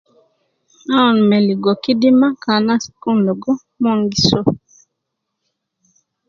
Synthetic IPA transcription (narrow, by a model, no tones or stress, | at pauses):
aɔnmɛliɡokidimakanaskundoɡɔ | moŋɡiso